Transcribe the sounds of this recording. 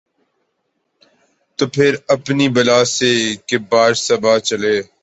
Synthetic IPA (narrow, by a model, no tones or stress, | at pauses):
t̪oːpʰɪɾəpnibəlaːsekeːbaːɾsəbaːt͡ʃəleː